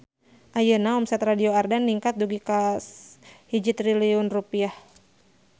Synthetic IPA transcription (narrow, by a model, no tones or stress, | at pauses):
ʔajənaɔmsɛt̪radioardanːiŋkat̪̚duɡikashid͡ʒit̪riliʊnrupiah